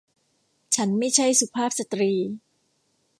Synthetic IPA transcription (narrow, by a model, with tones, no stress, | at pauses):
t͡ɕʰa˦˥nma˥˩jt͡ɕʰa˥˩jsu˨˧pʰaː˥˩p̚sa˨˧t̪ɾiː˧